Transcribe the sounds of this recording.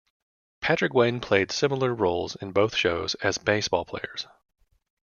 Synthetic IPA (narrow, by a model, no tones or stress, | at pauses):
pʰæt͡ʃɹ̥ɨkwẽɪ̃npʰl̥eɪd̥sɪ̃ml̩ˠə˞ɹoʊlˠzɨ̃nboʊθʃoʊzɨzbeɪsb̥ɔ̰lˠpʰl̥ḛɪə̰˞z̥